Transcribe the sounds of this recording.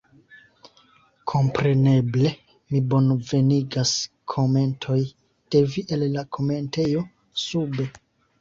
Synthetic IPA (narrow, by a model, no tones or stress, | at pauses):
kʰo̞mpɾe̞ne̞ble̞ | mibo̞nve̞niɡas | kʰo̞me̞ntʰo̞j | d̥e̞viʔe̞llakʰo̞me̞nte̞jo̞ | sube̞